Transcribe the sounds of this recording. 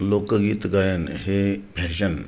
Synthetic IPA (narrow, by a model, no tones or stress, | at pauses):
loːkɡiːt̪ɡajənhebʱeɕən